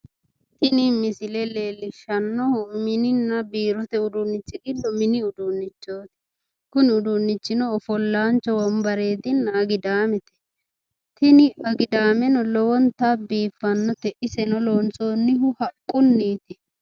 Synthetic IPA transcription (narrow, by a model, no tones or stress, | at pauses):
t̪ɪnɪmɪsɪlɛle̞ːlːɪʃɐnːɔhʊmɪnɪnːɐbiːɾɔt̪ɛʊd̪ʊnːɪt͡ʃːɪɡɪd̪ɔmɪnɪʊd̪unːɪt͡ʃːo̞ːt̪ɪ̥ | kʊnʊd̪unːɪt͡ʃːɪnɔːfɔlːaːnt͡ʃːɔwɔmbɐɾe̞ːt̪ɪnːɐɐɡɪd̪aːmɛt̪ɛ̥ | t̪ʰɪnɪɐɡɪd̪aːmɛnɔlɔwɔnt̪abiːfːɐnːɔt̪ɛʔɪsɛnɔloːnt͡sʼo̞ːnːɪɦʊhɐkʼːʊnːiːt̪ɪ